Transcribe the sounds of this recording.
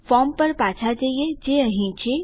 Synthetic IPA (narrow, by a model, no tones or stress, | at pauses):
fɔːmpəɾpaːt͡ʃʰad͡ʒaied͡ʒeəɦĩt͡ʃʰe